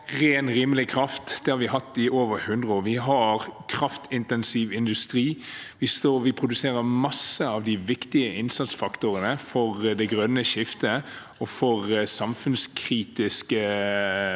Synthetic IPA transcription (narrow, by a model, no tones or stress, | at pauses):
ʁeːnɾiːməlɪkʰɾɑft̪d̪ɛhɑɾʋɪɦɑt̪ːɪʔoːʋəɾhʉnd̪ʁʊʋɪɦɑɾkʰɾɑft̪ɪnt̪ɛnsiʋɪnd̪ʉst̪ɾiːʋɪst̪oːʋɪpʰʁʊd̪ʉseːɾəɾmɑsːəɑʋd̪ɪʋɪkt̪ɪəʔɪnsɑt̪sfɑkt̪ʊɾənəfɔʁd̪ɛɡɾœnːəʃɪft̪ə | ɔfɔʁsɑmfʉnskʰɾiːt̪ɪskə